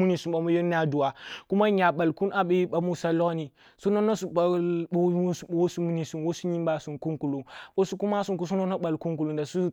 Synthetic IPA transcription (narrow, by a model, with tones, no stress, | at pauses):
u˦ni˨su˨ɓa˨mu˦jo˦n˦a˦du˨wa˨ku˦ma˦ɲa˨ɓa˨lku˦nʔa˨ɓe˦ɓa˨mu˦sa˦lo˦ni˨ | so˦no˦no˦su˨a˨o˨˦˨wo˦su˦mu˦ni˨su˨nwo˦su˦ɲi˦mba˨su˨ku˦nku˨lu˨wo˦su˦ku˦ma˦su˨nku˦s̬u˦no˦no˦ɓa˨lku˦nku˨lu˨nda˨su˦